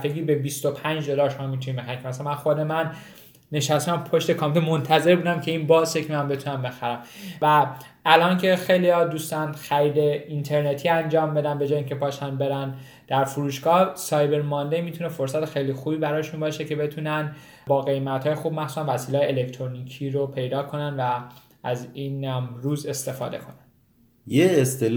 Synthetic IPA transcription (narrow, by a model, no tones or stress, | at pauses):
feɡiːbe̞bist̪o̞pʰænd͡ʒd̪olɒːʃomɒːmit̪ʰunibexæɾiŋkʰemæsæmænxo̞d̪e̞mænː | e̞ʃæst̪æmpʰoʃt̪e̞kʰɒːmt̪ʰemont̪ʰæze̞ɾbuːd̪æmcʰe̞inbɒːsjekʰemænbe̞t̪ʰunæmbe̞xæɾæmvæ | ʔːlɒːncʰe̞xe̞jliɒd̪ust̪ɒnxæɾiːd̪e̞int̪ʰe̞ɾnet̪ʰiːænd͡ʒɒːmbe̞d̪ænbe̞d͡ʒɒːjiːŋcʰepʰɒːʃænbe̞ɾæn | d̪̥æɾfuɾuːʃɡɒːsɒːjbe̞ɾmɒnd̪eimiːt̪ʰune̞fo̞ɾsæt̪exe̞jlixuːbiːbæɾɒːjʃunbɒːʃece̞be̞t̪ʰunæn | bɒːɣe̞jmæt̪hɒːjexuːbmæxsuːsænvæsiːlɒːjelekt̪ʰɾonicʰiːɾopʰe̞jd̪ɒːkʰo̞nænvæ | ʔæziːnæmɾuːze̞st̪e̞fɒ̰ːd̪e̞̰kʰo̞næn | jeest̪el